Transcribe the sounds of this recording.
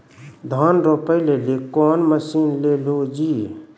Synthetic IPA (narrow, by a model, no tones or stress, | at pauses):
d̪ʱaːnɾopəɪlelekɔːnməsinlelod͡ʒiː